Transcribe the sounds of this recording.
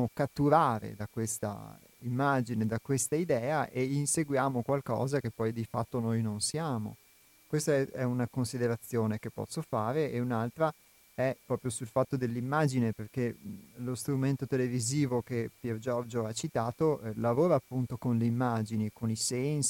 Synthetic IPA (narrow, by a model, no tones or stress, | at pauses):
okat̪ːuɾaːɾḛd̪akwest̪a̰ | imːad͡ʒined̪akwest̪aid̪ɛːaʔeinseɡwjaːmokwalkɔ̰ːzak̟epːɔjd̪ifat̪ːonojnonsjaːmo̰ | kwest̪aɛɛunakonsid̪eɾat̪sːjoːnekepːɔ̰sːofaːɾeeunalt̪ɾa | ɛpːɾɔːpɾjosulfat̪ːod̪elːimːaːd͡ʒineperkelost̪ɾument̪ot̪eleviziːvokepjird͡ʒɔrd͡ʒoat͡ʃit̪aːt̪olavoːɾaːpːunt̪okonleimːad͡ʒinikonisɛns